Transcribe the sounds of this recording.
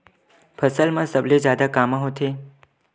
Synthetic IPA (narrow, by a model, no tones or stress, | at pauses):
pʰəsəlmãsəbled͡ʒad̪akamaɦõt̪ʰe